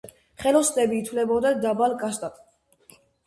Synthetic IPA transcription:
χɛlɔst̪ɛbiːt̪ʰvlɛbɔd̪ad̪abalkʼast̪ʼat̪ʼ

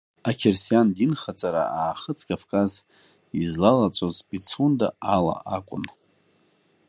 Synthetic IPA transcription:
akʲʰersijandinχat͡sʼaɾa̰aːχət͡sʰkʼavkʼaz | izlalat͡sʷʼozpʼit͡sʰunda̰ala̰ʔakʷʼʊ̰n

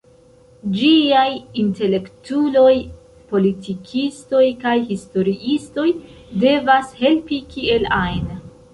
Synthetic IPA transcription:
d͡ʒiajinte̞le̞ktulo̞j | po̞litikʰisto̞jkajhisto̞ɾiʔisto̞jde̞vashe̞lpikie̞lajn

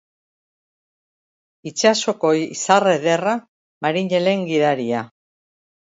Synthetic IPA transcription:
it͡ʃaso̞ko̞jisare̞ðe̞ra | maɾiɲe̞le̞ŋɡiðaɾia

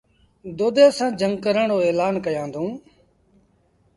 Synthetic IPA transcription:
d̪oːd̪eːsãːd͡ʒəŋɡkəɾəɳoːeːlaːnkəjãːnd̪ʱũː

